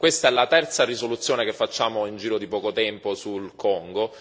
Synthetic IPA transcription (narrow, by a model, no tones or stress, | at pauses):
kwest̪aɛlːat̪ɛrt̪sarisolut̪sːjoːnekefːat͡ʃːaːmoind͡ʒiːɾod̪ipɔːkot̪ɛmposulkɔŋɡo